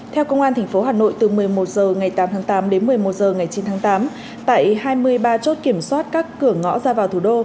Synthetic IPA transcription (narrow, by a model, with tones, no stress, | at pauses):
t̪ʰɛ˧wkə˧wŋ͡mʔaː˧nt̪ʰɛ˨˩ŋ̟fo˨˦ɦaː˨˩no̰˧˨jt̪ɨ˨˩mɨ˨˩əjmo˨˩t̚zəː˨˩ŋa˨˩jt̪aː˨˦mt̪ʰaː˨˦ŋt̪aː˨˦mɗe˨˦nmɨ˨˩əjmo˨˩t̚zəː˨˩ŋa˨˩jt͡ɕi˨˦nt̪ʰaː˨˦ŋt̪aː˨˦m | t̪a̰ː˧˨jhaː˧jmɨ˧əjɓaː˧t͡ɕo˦˥t̚ki˧˩əmswaː˦˥t̚kaː˦˥kːɨ˧˩əŋɔ̰˧˥zaː˧vaː˨˩wt̪ʰu˧˩ɗo˧